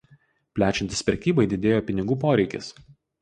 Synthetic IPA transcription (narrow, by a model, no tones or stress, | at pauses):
pʲlʲæːt͡ʃʲɛnʲt̪ʲɪsʲpʲɾʲɛkʲiːbɐɪd̪ʲɪd̪ʲeːjoːpʲɪnʲɪɡuːpoːɾʲɛɪkʲɪ̰s